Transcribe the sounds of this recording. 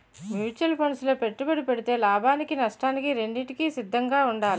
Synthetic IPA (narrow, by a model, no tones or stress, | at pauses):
mjuːt͡ʃɐlpʰoɳɖsloːpe̞ʈːubɐɽipe̞ɽit̪e̞ːlaːbʱaːnikinɐʂʈaːnikiɾe̞ɳɖiʈikisid̪ʱːɐŋɡaːuɳɖaːli